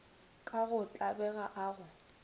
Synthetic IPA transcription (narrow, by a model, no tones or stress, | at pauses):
kʼaɣʊt͡ɬʼabɛɣaʔaːɣʊ